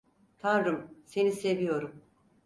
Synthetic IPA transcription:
t̪ʰanɾɯmse̞nise̞vijo̞ɾum

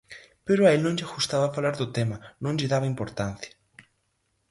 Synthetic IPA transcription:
peɾoaelnõŋʎaxust̪aβafalaɾðʊt̪emanõŋʎɪðaβaimpoɾt̪an̟θjḁ

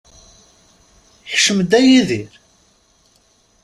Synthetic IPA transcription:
ħʃəmd̪æjiðiɾ

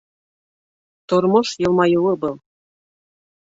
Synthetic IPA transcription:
t̪oɾmɤʃjɤ̆lˠmɑjɤwɤ̆bɤ̆lˠ

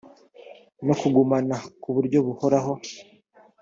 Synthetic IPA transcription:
no̞kuɡumanakuβuɾɟo̞βuhoɾaɦo̞

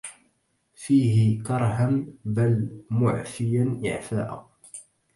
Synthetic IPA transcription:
fiːɦɪkɑɾˤɦambalmʊʕfɪjanʔɪ̰ʕfa̰ːʔa̰

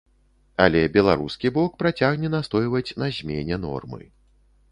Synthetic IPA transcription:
a̰lʲɛbʲɛlˠaɾuskʲibɔk̚pɾat͡sʲaɣnʲɛnast̪ɔjvɐt͡sʲnɐzʲmʲenʲɛnɔ̰rmɨ̰

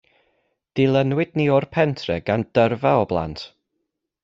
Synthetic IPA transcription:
d̥ilˠənwɪdniɔrpʰɛntʰrɛɡand̥ərvaɔblˠa̰ntʰ

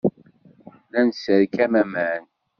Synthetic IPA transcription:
lænsəɾkæmæmæn

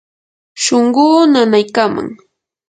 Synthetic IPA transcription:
ʃoɴɢuːnanajkama̰ŋ

